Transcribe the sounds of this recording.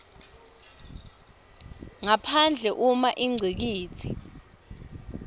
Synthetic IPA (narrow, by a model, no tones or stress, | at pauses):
ŋapʰand͡ɮʱɛʔumaʔiŋ͡ǀʱik̬iːt͡sʰi